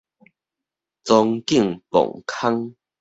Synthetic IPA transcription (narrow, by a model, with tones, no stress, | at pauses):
t͡sɔ˧ŋki˥˨ŋpɔ̰˨˩ŋkʰa˦ŋ